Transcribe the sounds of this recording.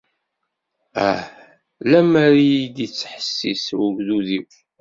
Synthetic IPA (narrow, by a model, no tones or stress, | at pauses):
æ | læmæɾijid̪it͡sːħə̥sːḭswuɡðuðiw